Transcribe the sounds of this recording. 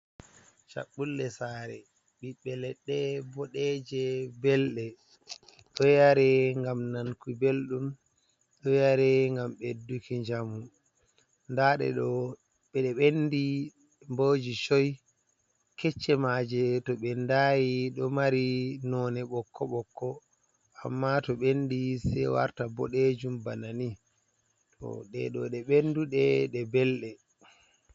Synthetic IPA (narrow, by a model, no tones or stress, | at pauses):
t͡ʃa̰ɓːulːɛsaɾɛ̰ | ɓiɓɛlɛɗːɛbɔɗɛd͡ʒɛbɛlɗɛ | ɗɔjaɾɛŋɡamnankubelɗum | ɗɔjaɾɛŋɡamɓedukiɲd͡ʒamu | ndaɗɛ̰ɗɔ | ɓɛɗɛɓenːdi | mbod͡ʒiʃoj | kɛt͡ʃːɛmad͡ʒɛtɔɓɛndajiɗɔmaɾinɔnɛɓɔkʰːɔɓɔkːɔ | a̰mːatɔɓendisɛwa̰ɾtabɔ̰ɗed͡ʒumbanani | tʰɔ̰ɗɛ̰ɗɔ̰ɗɛɓenduɗɛɗɛbɛlɗɛ